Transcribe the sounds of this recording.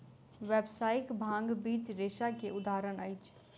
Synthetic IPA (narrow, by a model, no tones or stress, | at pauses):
ʋeːbsaːɪkbʱãːŋɡbiːt͡ʃɾeːʃakeʊd̪aːɦɾənaɪt͡ʃ